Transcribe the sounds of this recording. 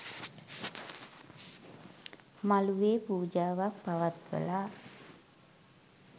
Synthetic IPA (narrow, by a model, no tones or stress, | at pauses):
maluʋeːpuːd͡ʒaːʋak̚paʋat̪ʋə̰laː